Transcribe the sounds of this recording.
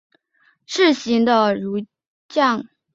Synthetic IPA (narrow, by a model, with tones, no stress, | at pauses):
ʂɻ̩˥˩ɕi˧˥ŋd̪ə˧ɻu˧˥ | t͡ɕjɑ˥˩ŋ